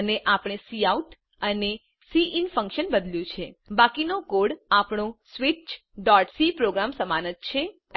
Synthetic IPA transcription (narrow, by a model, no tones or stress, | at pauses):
əneʔapɳ̃esiauʈ | əne | siʔinfə̃ŋkʃənbəd̪ljũt͡ʃʰebakinokoɽapɳ̃õsʋit͡ʃ | ɖɔʈsipɾoɡɾamsəmanət̪̚t͡ʃʰe